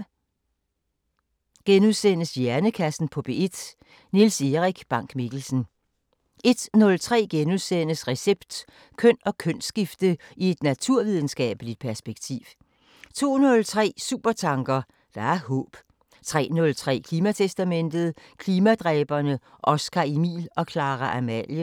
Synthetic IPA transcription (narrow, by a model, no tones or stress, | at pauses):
ɡ̥enuðˠsen̰əsjæɐnəkʰæsn̩pʰɒ̽b̥e̝ed̥ | nilse̝ʁiɡ̥b̥ɑ̈ŋ̰ɡ̥miɡ̥l̩sn̩ | e̝d̥nɔ̽lt͡sʰʁɛ̰ːɡ̥enuðˠsen̰əsʁɛseb̥d̥ | kʰœn̰ɒ̽kʰœn̰sɡ̥ifd̥əie̝d̥næt͡sʰuɐ̰ʋið̞ˠn̩sɡ̥ɛ̰ːb̥əlid̥̚pʰæɐsb̥eɡ̥t͡sʰḭːʋ | t͡sʰo̝̰ːnɔ̽lt͡sʰʁɛ̰ːsṵːb̥ɐt͡sʰɑ̈ŋɡ̥ɐ | d̥ɑ̈æɐhɔ̰ːb̥ | t͡sʰʁɛ̰ːnɔ̽lt͡sʰʁɛ̰ːkʰliːmæt͡sʰesd̥æmen̰d̥ð̩ˠkʰliːmæd̥ʁɛːb̥ɐnəʔɒ̽sɡ̥ʰɑ̈imḭːlɒ̽kʰlɑ̈ːʁɐʔæmæljə